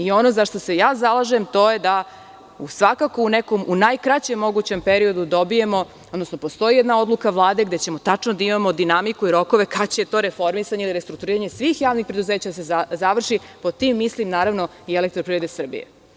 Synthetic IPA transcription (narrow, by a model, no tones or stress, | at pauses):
io̞no̞zaʃt̪o̞se̞jaːzalˠaʒe̞mt̪o̞ːje̞d̪a | usʋakako̞uneko̞munajkɾat͡ɕe̞mːo̞ɡut͡ɕe̞mpeɾio̞d̪ud̪o̞bije̞mo̞ | od̪no̞snopo̞st̪o̞jijɛd̪nao̞d̪lukaʋlˠaːd̪e̞ɡd̪et͡ɕe̞mo̞t̪at͡ʂnod̪aimamo̞d̪inamikuiɾo̞ko̞ʋe̞kat͡ɕejet̪o̞ːɾe̞fo̞ɾmisaɲeiliɾest̪ɾuk̚t̪uɾiːɾaɲe̞sʋiːxjaːʋnixpɾe̞d̪uzeːt͡ɕad̪sezaʋr̩ʃipo̞t̪imːislimnaːɾaʋno̞ | ielek̚t̪ɾopɾiɾe̞d̪esr̩bḭjḛ